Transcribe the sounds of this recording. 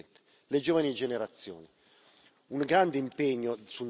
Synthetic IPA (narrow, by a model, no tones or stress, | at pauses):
nt̪e̥ | led͡ʒɔːvanid͡ʒeneɾat̪sːjo̰ːni | uŋɡɾand̪eimpeɲːosu